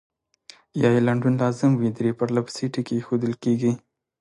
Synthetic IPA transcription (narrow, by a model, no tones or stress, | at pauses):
jɑjelaɳɖunlɑzɪmwid̪ɾepaɾlapsiʈikexod̪əlkeɡi